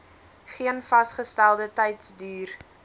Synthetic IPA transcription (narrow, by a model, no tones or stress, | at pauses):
χiənfɐsχəstælˠdətɛjtsdyːr